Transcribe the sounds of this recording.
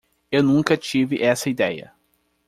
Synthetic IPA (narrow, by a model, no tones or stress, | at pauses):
ewnũŋkɐt͡ʃivɪʔɛsɐid̪ɛjɐ̰